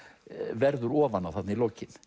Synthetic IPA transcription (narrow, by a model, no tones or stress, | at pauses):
vɛɾðʏɾɔːvanawθat̪nɪiloːwcɪn